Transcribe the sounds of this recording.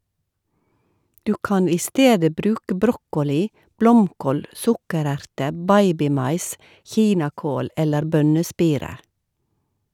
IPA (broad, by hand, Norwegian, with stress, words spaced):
ˈdʉː ˈkɑn ˈiː ˈsteːdə ˈbɾʉːkə ˈbɾɔkɔˌliː ˈblɔmˌkoːl ˈsʊkəˌɾæɾtə ˈbɑɪbɪˌmɑɪs ˈçiːnɑˌkoːl ˈɛləɾ ˈbœnəˌspiːɾə